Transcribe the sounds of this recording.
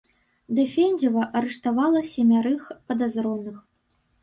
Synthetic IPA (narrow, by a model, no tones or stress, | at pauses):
d̪ɐfʲɛnʲd͡zʲɐvɐʔɐɾɛʂt̪avalˠɐsʲɛmʲaɾɨxpɐd̪azɾɔnɨx